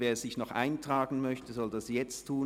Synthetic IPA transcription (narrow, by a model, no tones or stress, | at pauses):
veːɐz̥ɪçnɔχʔa̰ɪntʁ̥aːɡn̩mœçtəzɔldasjɛt͡stʰːuː